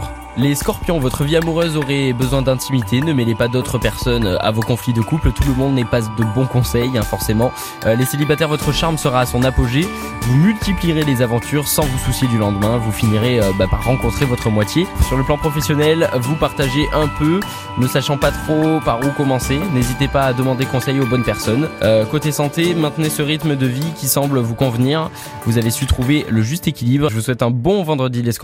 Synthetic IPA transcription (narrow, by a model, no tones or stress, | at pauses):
leskɔʁpjɔ̃vɔt̪χəviamuʁøzoʁebəzwɛ̃d̪ɛ̃t̪ʰimit̪ʰenəmelepad̪ot̪χəpɛʁsɔnøa̰vokɔ̃flid̪əkuplt̪uləmɔ̃d̪nɛpad̪əbɔ̃kɔ̃sɛjɛ̃fɔʁsemɑ̃ | leselibat̪ɛʁvɔt̪χəʃaʁmsəʁaːsɔ̃napoʒe | vumylt̪ipliʁelezavɑ̃t̪ʰyʁsɑ̃vususjed̪ylɑ̃d̪mɛ̃vufiniʁeøbapaʁːɑ̃kɔ̃t̪χevɔt̪χəmwat̪jesyʁləplɑ̃pχɔfɛsjɔnɛlvupaʁt̪aʒeʔɛ̃pø | nəsaʃɑ̃pat̪χopaʁukɔmɑ̃senezit̪epaːd̪əmɑ̃d̪ekɔ̃sɛjobɔnpɛʁsɔnøkot̪esɑ̃t̪emɛ̃t̪nesəʁit̪md̪əvikʲisɑ̃blvukɔ̃vniʁ | vuzavesyt̪χuveləʒyst̪ekʲilibʁʒəvuswɛt̪ɛ̃bɔ̃vɑ̃d̪ʁəd̪ilesk